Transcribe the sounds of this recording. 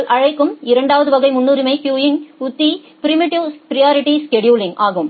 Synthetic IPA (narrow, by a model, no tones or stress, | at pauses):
ɭʔɐɻɐɪkːɯmɪɾɐɳɖaːʋɐðɯʋɐɣɐɪmʊnːuːɾɪmɐɪkjuːjɪnʊt̪ːi | pɪɾɪmɪʈɪʋpɪɾɪjaːɾɪʈːiskɛɖjuːlɪŋʔaːɣɯm